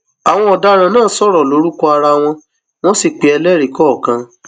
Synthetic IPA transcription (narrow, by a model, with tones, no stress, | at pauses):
a˨w̃ɔ̃˦ɔ˨da˧ɾ̃ã˨nãː˦˨˦sɔ˦ɾɔ˨lo˨˦ɾu˦kɔ˦a˧ɾa˧w̃ɔ̃˧ | w̃ɔ̃˦si˦˨k͡pe˨ɛ˧lɛ˦ɾi˨kɔ˦˨kã˧